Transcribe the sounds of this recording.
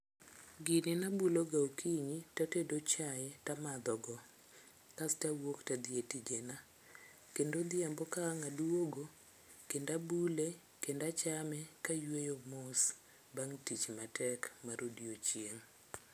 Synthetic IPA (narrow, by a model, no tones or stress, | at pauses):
ɡɪninabuloɡaokʰiɲitatedot͡ʃajɛtamad̪ɔɡɔ | kastawoktad̪ɪetid͡ʒena | kendod̪ɪambɔkaŋaduoɡo | kendabule | kendat͡ʃamɛkajwejomos | baŋtit͡ʃmatʰɛkmaɾʔodiot͡ʃjeŋ